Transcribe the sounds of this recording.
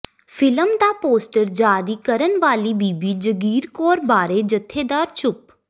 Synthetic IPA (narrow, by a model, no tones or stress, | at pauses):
pʰɪləmd̪aːpoːsʈəɾd͡ʒaːɾiːkəɾənʋaːliːbiːbiːd͡ʒəɡiːɾkɔːɾbaːɾeːd͡ʒət̪ʰːeːd̪aːɾt͡ʃʊp